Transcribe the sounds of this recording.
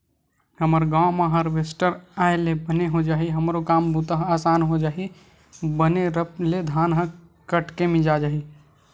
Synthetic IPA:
həməɾɡãwmãɦəɾʋesʈəɾaːelebəneɦod͡ʒaːiɦəmɾokaːmbut̪əɦaːsaːnɦod͡ʒaːi | bəneɾəpled̪ʱaːnɦə̃ | kəʈkemẽd͡ʒad͡ʒaːɦi

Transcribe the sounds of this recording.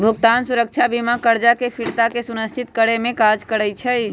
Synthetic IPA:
bʱuɡt̪ansuɾək̚t͡ʃʰabimakəɾd͡ʒakepʰiɽt̪akesunəst͡ʃʰit̪kəɽemẽkad͡ʒkəɾəjt͡ʃʰɛj

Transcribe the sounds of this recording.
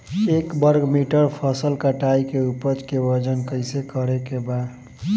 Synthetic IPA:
ekbəɾɡmiʈəɾpʰəsəlkəʈaikeupət͡ʃkeʋəd͡ʒənkəɪsekəɾekebad̪

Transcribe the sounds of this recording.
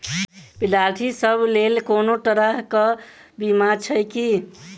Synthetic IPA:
pilalʈʰisəblelkonoʈ̪əɾəɦkəbimat͡ʃʰəjki

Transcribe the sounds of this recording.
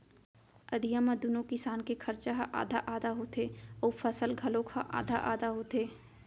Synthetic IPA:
əd̪ʱijãmãd̪unõkɪsaːnkekʰəɾt͡ʃaɦaʔa̰ːd̪ʱaʔaːd̪aɦoːt̪eəpʰəsəlɡʱɐlõkʰaʔa̰ːd̪ʱaʔa̰ːd̪aɦoːt̪eː

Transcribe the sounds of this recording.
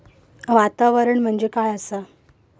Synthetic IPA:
ʋat̪aʋəɾəɳm̤əɳd͡ʑekajəsə

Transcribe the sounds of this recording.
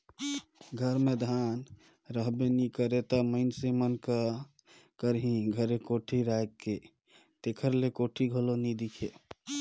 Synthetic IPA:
ɡʱəɾmed̪ʱan | ɾəɦbenikəɾet̪əməɪnsemənkə | kəɾɦĩɡʱəɾekoʈʰiɾajkːe | t̪ekʰəɾlekoʈʰiɡʱəlonid̪ikʰe

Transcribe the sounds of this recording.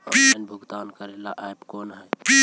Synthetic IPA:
pinbʱʊɡd̪aːnkəɾelaʔajbkonɦəjpi

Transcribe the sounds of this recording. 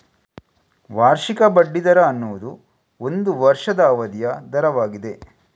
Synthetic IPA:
ʋaːɾʃikɐbɐɖːid̪ɐɾɐːnːuʋud̪u | o̞nd̪uʋɐɾʂɐd̪ɐːʋɐd̪jɐd̪ɐɾɐʋaːɡid̪e̞

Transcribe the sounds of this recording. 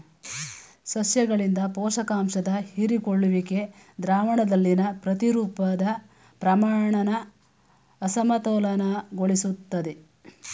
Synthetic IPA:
sɐsjɐɡɐɭind̪ɐpɔːʃɐkaːmʃɐd̪ɐhiɾikoɭːuʋike̞ | d̪ɾaːʋɐɳɐd̪ɐlːinɐpɾɐt̪iɾuːpɐd̪ɐ | pɾɐmaːɳɐnɐː | sɐmɐt̪ɔːlɐnɐɡoɭisut̪ːɐd̪e

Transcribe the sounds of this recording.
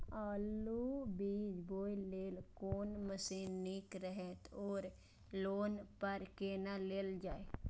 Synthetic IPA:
aːlubiːd͡ʒboːileːlkoːnməsiːnnːikɾəɦɛt̪oːɾ | loːnpəɾkenaleːld͡ʒaːe

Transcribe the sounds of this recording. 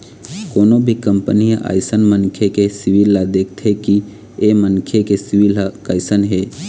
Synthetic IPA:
koːnobʱikəmpənijəʔa̰ːɪsənmənkʰekesɪʋilːad̪eːkʰt̪ʰeki | emənkʰekesɪʋilakaːɪsənɦeː

